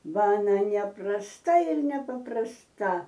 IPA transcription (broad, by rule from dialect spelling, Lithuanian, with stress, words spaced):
ˈbɐ ɐˈnɐ nʲɛprɐsˈtɐ ɪr nʲɛpɐprɐsˈtɐ